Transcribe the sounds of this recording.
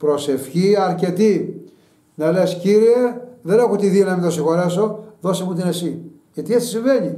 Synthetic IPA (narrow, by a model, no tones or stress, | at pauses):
pɾo̞se̞fçiɐɾce̞t̪i | nɐle̞sciɾieðe̞ne̞xot̪iðionɐmint̪os̬ixo̞ɾeso̞ðo̞semut̪ine̞si | ʝɐt̪iesi̥siɱve̞ɲi